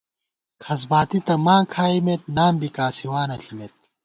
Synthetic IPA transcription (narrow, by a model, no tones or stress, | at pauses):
kʰɐs̬baːt̪it̪ɐmãːkʰaːimet̪̚naːmbikaːsiwaːnɐɬʰimet̪̚